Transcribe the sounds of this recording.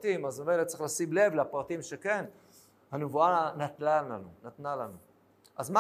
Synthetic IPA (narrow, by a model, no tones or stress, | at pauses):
t̪imazmemelet̪̚t͡sʁiχlasimle̞vleapʁat̪imʃeke̞n | hanevuanat̪lananunat̪nalanu | ʔazma